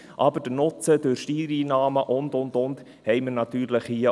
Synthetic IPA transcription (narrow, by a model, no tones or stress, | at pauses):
ʔɑbəd̥ənʊt͡səd̥øɾʃtiːɾiːnɑːməʔʊnd̪ʊndʊnd | hɛɪməɾnɑt̪yːɾləχhiə